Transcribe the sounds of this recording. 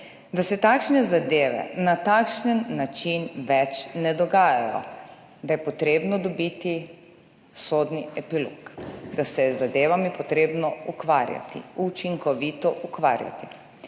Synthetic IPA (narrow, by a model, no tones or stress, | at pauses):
d̪asɛt̪akʃnɛzad̪eːʋɛ̰nat̪aːkʃnənːat͡ʃinʋɛt͡ʃnɛd̪ɔɡaːjajɔ̰ | d̪ajɛpɔt̪ɾeːbnɔd̪ɔbit̪i | soːd̪niɛpilo̰kd̪asɛzːad̪eːʋamipɔt̪ɾeːbnɔukʋaːɾja̰t̪ḭut͡ʃiŋkɔʋit̪ɔʔukʋa̰ːɾja̰t̪i